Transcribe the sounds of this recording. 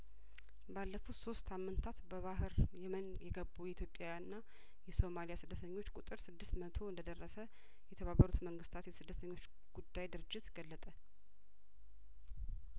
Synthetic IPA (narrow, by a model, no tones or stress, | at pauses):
balːəfut̪so̞st̪ʰamːɨnt̪ʰat̪bəβaɦɨɾjɛmənjɛɡəbːuɛit̪ʰjo̞pʼjawjanɨnːa | jɛso̞malijasɨd̪ːət̪ʰəɲːo̞t͡ʃːkʼut̪ʼɨɾsɨd̪ːɨst̪mət̪ʰo̞ɨnd̪əd̪ərːəsə | jɛt̪ʰəβabːəɾut̪məŋɡɨst̪ʰat̪jɛsɨd̪ːət̪ʰəɲːo̞t͡ʃː | ɡ̥ud̪ːajd̪ɨɾɨd͡ʒːɪt̪ɡəlːət̪ʼə